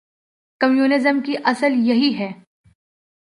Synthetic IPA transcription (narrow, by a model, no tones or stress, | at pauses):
kɐmjuːnɪzəmkiʔɐsəljɐɦiɦɛː